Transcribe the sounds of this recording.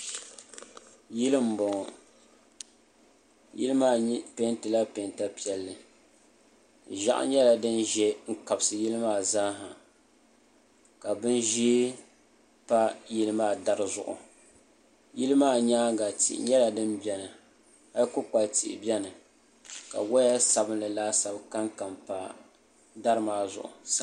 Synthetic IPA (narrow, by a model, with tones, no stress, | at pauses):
ji˦lɨ˦m̩˨bɔ˨ŋɔ˨ | jḭ˦lɨ˦maː˦˨ɲ˦pe˦ntɨ˨la˦pe˨nta˦pi˦ɛ˨lːɨ˨ | ʒa̰˦ʔa̰˦ɲɛ˦la˨dɨ˦nʒɛ˦ŋ̩˦ka˨bsɨ˨ji˦lɨ˦maː˦˨za˦ɦa˨ | ka˨bɨ˦nʒi˦ | pa˦ji˦lɨ˦maː˦da˦ɾɨ˨zʊ̰˨ʔʊ̰˨ | ji˦lɨ˦maː˦˨ɲaː˦ɡa˨tḭ˨ʔɪ̰˨ɲɛ˦la˨dɨ˦mbɛ˦nɨ˨ | a˦jkʊ˦k͡pa˨ltḭ˨ʔɪ̰˨bʲɛ˦nɨ˨ | ka̰˨wɔ˦ja˦sa˨bɨ˦nlɨ˨laː˦sa˨bka˦ŋka˨mpa˦ | da˦ɾɨ˦maː˦zʊ̰˨ʔʊ̰˨sa˦